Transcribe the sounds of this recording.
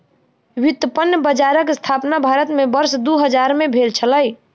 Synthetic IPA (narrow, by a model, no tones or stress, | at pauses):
wit̪ːəpənjəbəd͡ʒaɾəkst̪ʰapnabʱaɾət̪mebəɾsd̪uɦəd͡ʒaɾmebʱelt͡ʃʰələj